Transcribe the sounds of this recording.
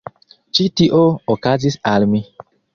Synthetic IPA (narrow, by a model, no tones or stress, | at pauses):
t͡ʃitiʔookazisalmi